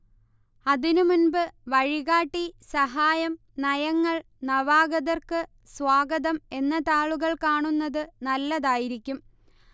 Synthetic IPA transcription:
ɐðinumunbɨʋɐɻiɣaːʈːisɐɦaːjɐm | nɐjɐŋːɐɭ | nɐʋaːɣɐðɐrkɨ | sʋaːɡɐðɐme̞nːɐt̪aːɭuɣɐɭkaːɳunːɐðɨnɐlːɐðaːjiɾikʲːum

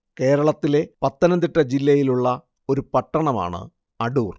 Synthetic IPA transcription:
ke̞ːɾɐɭɐt̪ːile̞pɐt̪ːɐnɐnd̪iʈːɐd͡ʑilːɐjiluɭːɐ | o̞ɾupɐʈːɐɳɐma̰ːɳɨ̰ | ɐɽuːr

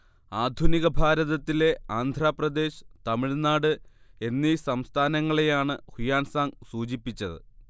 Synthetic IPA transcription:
aːd̪ʱuniɣɐbʱaːɾɐðɐt̪ːile̞aːnd̪ʱɾaːprɐd̪e̞ːɕɨ̥t̪ɐmiɻnaːɽɨe̞nːisɐmst̪ʰaːnɐŋːɐɭe̞jaːɳɨhujaːnsaːŋsuːd͡ʑipːit͡ɕːɐðɨ̰

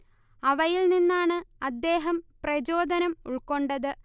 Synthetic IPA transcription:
ɐʋɐjilninːaːɳɨɐd̪ːe̞ːɦɐmprɐd͡ʑo̞ːd̪ʱɐnɐmuɭko̞ɳɖɐðɨ

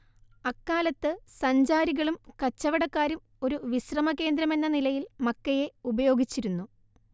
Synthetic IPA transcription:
ɐkːaːlɐt̪ːɨsɐɲd͡ʑaːɾiɣɐɭumkɐt͡ɕːɐʋɐɽɐkːaːɾum | o̞ɾuʋiɕrɐmɐke̞ːnd̪ɾɐme̞nːɐnilɐjilmɐkːɐje̞ubɐjo̞ːɡit͡ɕːiɾunːu

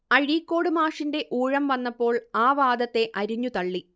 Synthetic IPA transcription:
ɐɻiːkːo̞ːɽɨmaːʂinde̞ʔuːɻɐmʋɐnːɐpːo̞ːɭaːʋaːd̪ɐt̪ːe̞ʔɐɾuɲːut̪ɐɭːi

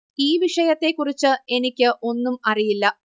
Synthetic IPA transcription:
iːʋiʂɐjɐt̪ːe̞kːurit͡ɕːɨe̞nikʲːɨʔo̞nːumɐrijilːɐ

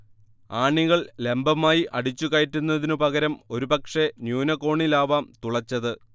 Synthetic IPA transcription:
aːɳiɣɐɭle̞mbɐmaːjiʔɐɽit͡ɕːuɣaːtːunːɐðinɨpɐɣɐɾɐmo̞ɾupɐkʂe̞njuːnɐko̞ːɳilaːʋaːmt̪uɭɐt͡ɕːɐðɨ

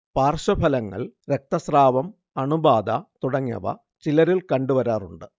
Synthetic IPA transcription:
paːrʂɐbʱɐlɐŋːɐ̰ɭɾek̚t̪ɐsraːʋɐm | ɐɳubaːd̪ɐt̪uɽɐŋːɐ̰ʋɐ̰ | t͡ɕilɐɾilkɐɳɖuʋɐɾaːruɳɖɨ

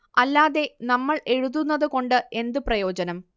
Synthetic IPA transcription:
ɐlːaːðe̞nɐmːɐɭʔe̞ɻuðunːɐðɨko̞ɳɖɨe̞nd̪ɨprɐjo̞ːd͡ʑɐnɐm

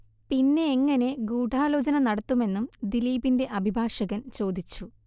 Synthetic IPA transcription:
pinːe̞ːŋːɐne̞ɡuːɖaːlo̞ːd͡ʑɐnɐnɐɽɐt̪ːume̞nːumd̪iliːbinde̞ʔɐbʱibʱaːʂɐɣɐnt͡ɕo̞ːd̪it͡ɕːu

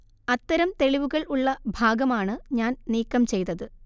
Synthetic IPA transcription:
ɐt̪ːɐɾɐmt̪e̞ɭiʋuɣɐɭuɭːɐbʱaːɡɐmaːɳɨɲaːnniːkːɐmt͡ɕe̞jt̪ːɐðɨ

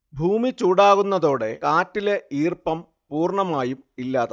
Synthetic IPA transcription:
bʱuːmit͡ɕuːɽaːɣunːɐðo̞ːɽe̞kaːtːile̞iːrpɐm | puːrɳɐmaːjumilːaːðɐ

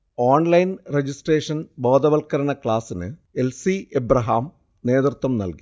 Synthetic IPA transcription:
oːɳlɐjnred͡ʑisʈreːʂɐnbo̞ːd̪ɐʋɐlkɐɾɐɳɐkɭaːsinɨelsiebɾɐɦaːm | ne̞ːd̪rt̪wɐmnɐ̰lki̥

